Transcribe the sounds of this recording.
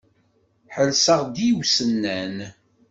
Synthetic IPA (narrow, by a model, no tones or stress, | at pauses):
ħəlsəʁd̪iwsənːæn